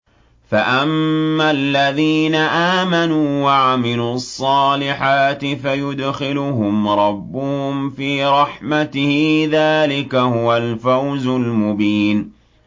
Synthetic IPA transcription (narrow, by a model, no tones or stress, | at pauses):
faʔamːalːaðiːnaʔaːmanuːwaʕamɪluːɑsˤːɑːlɪħaːt̪ɪfajʊd̪xɪlʊɦʊmɾˤɑbːʊhʊmfiːɾˤɑħmat̪ɪhɪðaːlɪkahʊwalfawzʊlmʊbiːn